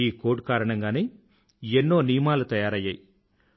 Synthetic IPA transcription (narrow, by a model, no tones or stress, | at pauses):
iːkoːɖkaːɾɐɳɐŋɡaːne̞ː | enːo̞ːnijmaːlut̪ɐjaːɾɐjːaːji